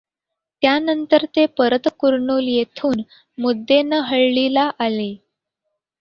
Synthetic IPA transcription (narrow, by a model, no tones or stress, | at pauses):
t̪janənt̪əɾt̪epəɾət̪kuɾɳuːljet̪ʰuːn | mud̪ʱːenəɦəɭlilaʔale